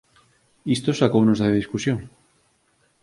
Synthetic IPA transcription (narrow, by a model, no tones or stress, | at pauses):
ist̪osakownozðaðiskusjoŋ